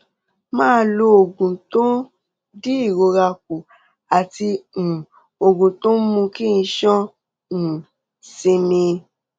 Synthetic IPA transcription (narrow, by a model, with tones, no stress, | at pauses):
mãː˦lo˧o˨ɡũ˨to˦ | di˦i˦˨ɾo˧ɾa˧k̚u˨ | a˨tĩ˧˨ | o˨ɡũ˨to˦mũ˧kĩ˦˧ʃɔ̃˦˨ | sĩ˧mĩ˧